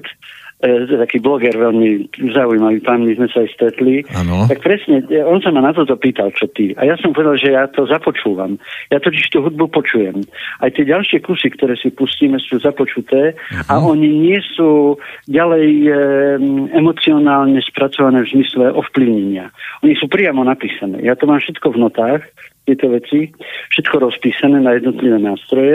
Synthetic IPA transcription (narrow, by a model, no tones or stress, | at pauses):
t̪ɔjɛt̪akiːblɔɡɛɾʋɛlmizaujmaʋiːpamɲizmɛsaːjst̪ɾɛt̪lint̪ak̚pɾɛsɲɛɔnsamanat̪ɔt̪ɔpiːt̪alt͡ʃɔt̪ia̰jasɔmpɔʋɛd̪alʒɛjaːt̪ɔzapɔt͡ʃuːʋa̰mjat̪ɔciʃt̪uɦud̪̚bupɔt͡ʃujɛmʔajt̪ɪɛɟalʃɪɛkusikt̪ɔɾɛːsipusciːmɛsuːzapɔt͡ʃut̪ɛːaʔɔɲiɲɪɛsuːɟalɛj | ɛmɔt͡siɔnaːlɲɛspɾat͡sɔʋanɛːvzmislɛʔɔfpliʊɲɛɲɪaɔɲisuːpɾɪamɔnapiːsanɛ̰ːjat̪ɔmaːmʃɛt̪kɔvnɔt̪aːxt̪ɪɛjt̪ɔʋɛt͡sifʃɛt̪kɔɾɔspiːsanɛːnajɛd̪nɔt̪liʋɛːnaːst̪ɾɔjɛ